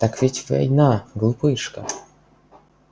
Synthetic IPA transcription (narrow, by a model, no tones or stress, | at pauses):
t̪akvʲitʲva̰jnaɡlˠupɨʂkə